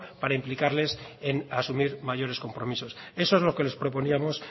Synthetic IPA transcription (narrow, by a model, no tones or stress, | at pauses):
paɾaimplikaɾle̞senasumiɾmaʝo̞ɾe̞sko̞mpɾo̞miso̞se̞soezlo̞ke̞le̞spɾo̞po̞niamo̞s